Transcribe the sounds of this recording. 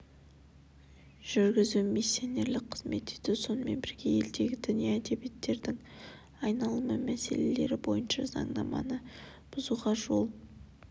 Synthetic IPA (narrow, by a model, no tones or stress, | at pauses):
ʒ̥ʏɾɡʲɪzumi̥sione̞ɾlɪk̚qʰəzme̞t̪ːed̪ɪso̞nəme̞̰nbɪɾɡʲe̞je̞ld̪e̞ɡʲɪd̪ʏnijeæd̪e̞bijet̪ːe̞ɾd̪ɪŋ | ɑjnɑlˠəməmæse̞̰le̞le̞ɾɪbo̞̰jənʃɑzɑ̰ɴd̪ɑmɑ̰nə | b̥ʊzuʁɑʒo̞lˠ